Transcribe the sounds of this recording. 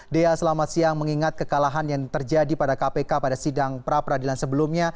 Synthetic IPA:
deasəlamat̪̚siaŋməŋiŋat̪̚kəkalaɦanjaŋt̪ərd͡ʒadipadakapekapadasidaŋpəɾapərɾadilansəbəlumɲa

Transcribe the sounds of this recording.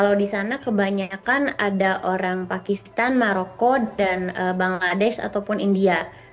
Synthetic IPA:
kalawdisanakəbaɲakanadaʔoɾaŋpakist̪anmaɾokoanəbaŋladɛʃa̰t̪awpʊnindia

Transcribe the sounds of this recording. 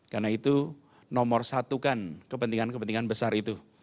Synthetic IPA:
karnait̪u | nɔmɔrsat̪ukankəpənt̪iŋankəpənt̪iŋanbəsarit̪u

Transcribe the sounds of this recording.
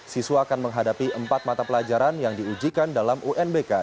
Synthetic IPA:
siswaːkanməŋɦadapiəmpat̪̚mat̪apəlad͡ʒaɾanjaŋdiud͡ʒikandalamuʔɛnbeka

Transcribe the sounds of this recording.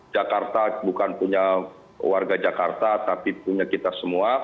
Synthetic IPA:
d͡ʒakart̪abukanpuɲa | warɡad͡ʒakart̪at̪apipuɲakit̪asəmua

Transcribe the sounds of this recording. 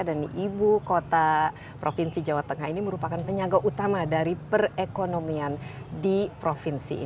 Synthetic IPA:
adaniʔibukot̪a | pɾʔofinsid͡ʒawat̪əŋahiniməɾupakanpəɲaɡaʔut̪amadaɾipərekonomiandipɾofinsḭ

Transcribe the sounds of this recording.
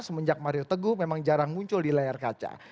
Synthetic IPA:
səməɲd͡ʒak̚maɾiot̪əɡʊhmemaŋd͡ʒaɾaŋmuɲt͡ʃʊldilajarkat͡ʃa̰

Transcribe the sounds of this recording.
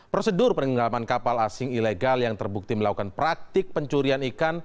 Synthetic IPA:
pɾosədʊrpənɡəŋɡalamankapalasɪŋileɡaljaŋt̪ərbuk̚t̪iməlakukanpɾak̚t̪ɪk̚pəɲt͡ʃuɾianikan

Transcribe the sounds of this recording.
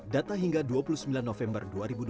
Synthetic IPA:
dat̪aɦiŋɡaduapulusəmbilanːɔfɛmbərduaɾibud

